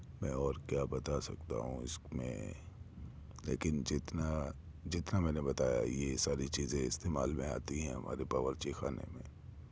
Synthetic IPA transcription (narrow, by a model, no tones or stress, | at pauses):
mɛ̰̃ːɔːɾkjaːbɐt̪asɐ̰kt̪a̰ɦũɪsmḛ̃ | lḛːkɪnd͡ʒɪt̪na | d͡ʒɪt̪namɛ̃ːnebɐt̪aːja̰jesaːɾit͡ʃiːzẽɪst̪eːmaːlmẽaːt̪iɦɛ̃ɦɐma̰ːɾepaʋəɾt͡ʃixaːnḛmḛ̃ː